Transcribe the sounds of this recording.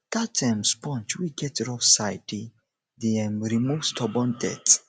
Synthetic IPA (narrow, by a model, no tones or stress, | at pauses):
d̪̥atʰãmspɔ̃nt͡ʃwiɡɛtɾɔfsaɪdi | diɛ̃mɹimuvstʰɔbɔ̃ndɛ̰t